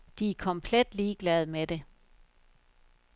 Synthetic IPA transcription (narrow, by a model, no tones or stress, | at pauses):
d̥iækʰɒ̽mpʰled̥liːɡ̥lɛð̞̩ˠmed̥e̝